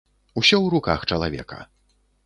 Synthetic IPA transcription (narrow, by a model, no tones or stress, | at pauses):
usʲɔwɾuka̰xt͡ʂɐlˠavʲɛ̰kɐ̰